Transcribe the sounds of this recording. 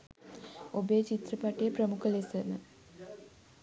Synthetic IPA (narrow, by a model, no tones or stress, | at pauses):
obet͡ɕit̪rɐpaʈːijeprəmukʰəlesənə